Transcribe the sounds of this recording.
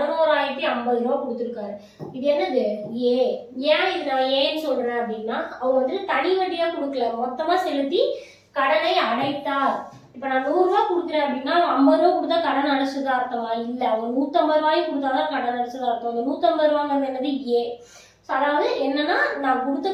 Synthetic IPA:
ɐnoːɾaːjɪkːɯɐmbɐɪɾõːkʊɽɯt̪ːɯɾɯkːaːɾɯ | ɪðɐɛnːɐðɯeː | ɛ̃ːɪðɯnãːeːɛnːɯsɔlɾẽːɐpːɐɽɪnːaːɐʋɐ̃ɐʋɐnd̪ɯʈːɯt̪ɐɽɪʋɐɽɪjaːkʊɽɯkːɐlɛmɔt̪ːɐmaːsɛlɯt̪ːi | kɐɽɐnɐɪɐɽɐɪt̪ːaː | ɪpːoːnaːnuːɾʋaːkʊɽɯkːɪɾẽːɐpːɐɽinːaːɐɐ̃ɐmbɐɾõːkʊɽɯt̪ːaːkɐɽɐnnɐɽɐsːɯðaːɾt̪ːɐmaːɪlːɐɐʋɐ̃muːt̪ːɐmbɐɾʋaːjikʊɽɯt̪̬ːaːðaːkɐɽɐnɐɽɐsɐðaːɾt̪ɐm̃ːɪnd̪ɐmuːt̪ːɐmbɐɾʋaːŋɡɐnd̪ɛnːɐðɯeː | soːɐðaːʋɐðɯɛnːɐnːaːnãːkʊɽɯt̪ːɐ

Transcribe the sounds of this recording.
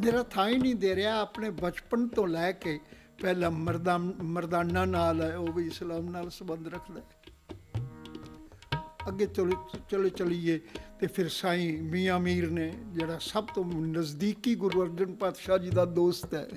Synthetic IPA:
meːɾaːt̪ʰaːĩːnĩːd̪eːɾeaːəpneːbət͡ʃpənt̪õːlɛːkeː | pɛːlãːməɾd̪aːməɾd̪aːnːãːnaːlɛːoːʋiːɪslaːmnaːlsəbənd̪ɾəkʰd̪aːɛ | əɡːeːt͡ʃəlt͡ʃəleːt͡ʃəlieːt̪eːpʰɪɾsaːĩːmiːaːmiːɾneːd͡ʒeːɽaːsəbt̪õːnəzd̪iːkiːɡʊɾʋəɾd͡ʒənpaːt̪ʃaːd͡ʒiːd̪aːd̪oːst̪ɛ̰ː

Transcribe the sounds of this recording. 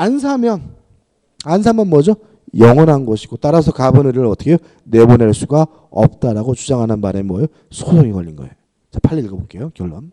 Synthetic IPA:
ansʰamjʌn | ans̬ʰamjʌnmwʌd͡ʑo | jʌŋʌnɦanɡoɕʰi̥ɡot͈aɾasʰʌkabɯnɯɾiɾɯɭʌt͈ʰʌ̥kʰe | ne̞boneɭs͈uɡa | ʌp̚t͈aɾaɡot͡ɕud͡ʑaŋɦanɯnmaɾemwʌjo | sʰosʰoŋikʌʎːinɡʌe̞̰jo | t͡ɕapʰaʎːiɭɡabok͈ʰejokjʌɭːʌm

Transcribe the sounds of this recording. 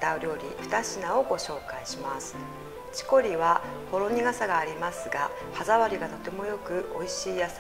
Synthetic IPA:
t̪aoɾʲo̞ːɾʲḭɸɯ̟̥t̪aɕinao̞ɡo̞ɕo̞ːkaiɕimasɨ̥ | t͡ɕi̥ko̞ɾʲiβa | ho̞ɾo̞ɲ̟iɡasaɡaːɾʲimasɨɡa | hazaβaɾʲiɡat̪o̞t̪e̞mo̞jo̞kɯ̟ʔo̞iɕiːjas

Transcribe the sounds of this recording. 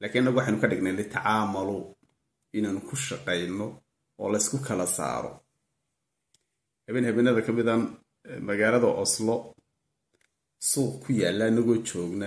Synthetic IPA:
laːkʰɪnɪnːɐɣʊwɑħejnʊkʰɐɖɪɡnɛjlɪt̪ʰɐʕɑːmɐlʊ | ɪnaːnkʰʊʃɑqɛjnɔ | ɔ̰ːlɐɪskʰʊkʰɐlɐsa̰ːɾɔ̰ | hɐβɛːnhɐβɛːnɐðɐkʰɐmɪðɐn | mɐɣaːlɐðɐʔɔslɔ | suːqkʰʊjaːlːɐːnːɐɣɔːt͡ʃɔːɡnɐ

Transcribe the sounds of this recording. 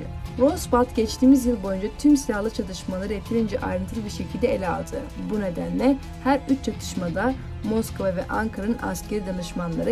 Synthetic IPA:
ɾosbat̪ɟɛt͡ʃt̪ʰiːmizjɯlˠbo̞jynd͡ʒat̪ʰymsijaɦlˠɯt͡ʃʰat̪ʰɯʃmalˠaɾɯjet̪ʰiɾind͡ʒɛʔa̰jɾɯnt̪ʰɯɾbiɾʃecʰilʲd̪ɛelʲɛa̰lˠd̪ʰɯ | bune̞d̪ænlʲɛ | hæɾyt͡ʃt͡ʃʰat̪ʰɯ̥ʃmad̪a | mo̞skovavɛ̰ʔaŋkʰaɾanɯnʔa̰scʰeɾid̪anɯʃmanlˠaɾɯ

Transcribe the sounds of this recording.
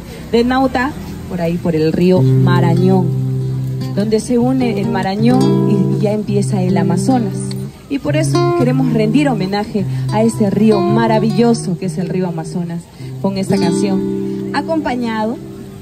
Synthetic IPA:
d̪enawt̪a | po̞ɾaipo̞ɾe̞lrio̞maɾaɲo̞ŋ | d̪o̞nd̪e̞se̞une̞ʔːlmaɾaɲo̞ŋiʝae̞mpje̞saelamaso̞nas | ipo̞ɾe̞so̞ke̞ɾe̞mo̞srend̪iɾo̞mẽ̞naxe̞ae̞st̪e̞rio̞maɾaβiʎo̞so̞keese̞lrioamaso̞nas | ko̞ŋe̞st̪akansjo̞ŋako̞mpaɲað̞o̞

